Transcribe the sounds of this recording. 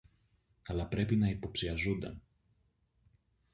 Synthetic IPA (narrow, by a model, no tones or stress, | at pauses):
kɐlɐpɾe̞pinɐipo̞psiɐzund̪ɐ̰n